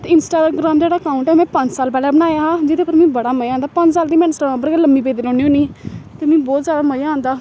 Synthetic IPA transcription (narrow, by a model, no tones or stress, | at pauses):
t̪eɪnsʈaːɡɾaːmd͡ʒeːɽaːkaːʊ̃ɳʈɛmɛ̃ːpə̃ɲd͡ʒsaːlpɛːlɛːbənaːjaːɦãːd͡ʒɪd̪eːpəɾmɛ̃ːbəɽaːməjãːnd̪aːpə̃ɲd͡ʒsaːld̪iːmɛ̃nsʈaãːp̬əɾkɛːləmːiːpeːd̪iːloːniːoːniːt̪emɛ̃ːbɔːt̪zjaːd̪aːməjãːnd̪aː